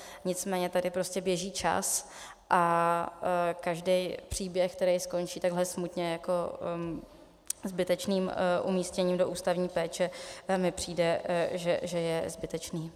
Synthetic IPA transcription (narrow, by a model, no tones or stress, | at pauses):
ɲɪt͡smɛːɲɛt̪adɪpɾo̞scɛbjɛʒiːt͡ʃa̰s | ʔa | kaʒdɛjpr̝̥iːbjɛxk̚t̪ɛɾɛjsko̞nt͡ʃiːt̪aɡɦlɛsmut̪ɲɛjako̞ | zbɪt̪ɛt͡ʃniːmʔṵmiːscɛɲiːmdo̞ʔuːst̪avɲiːpɛːt͡ʃɛmɪpr̝̥iːdɛʒɛʒɛjɛzbɪt̪ɛt͡ʃniː